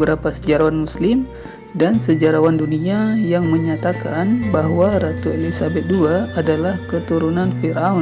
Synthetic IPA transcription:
bəɾapasəd͡ʒaɾawanmuslɪm | dansəd͡ʒaɾawanduniajaŋməɲat̪akanbaɦwaɾat̪uelisabɛt̪̚duaːdalahkət̪uɾunanfiɾau

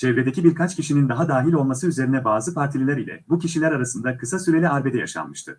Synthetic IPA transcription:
t͡ʃʰɛvɾed̪e̞cibiɾkʰat͡ʃciʃinind̪aɦad̪aːɦilʲo̞lˠmasɯyze̞ɾinɛbaːzɯpaɾt̪ʰilʲilʲæɾilʲɛ̰buciʃilʲæɾaɾasɯnd̪akʰɯsasyɾeiaɾbe̞d̪ɛja̰ʃa̰nmɯʃt̪ʰɯ̰

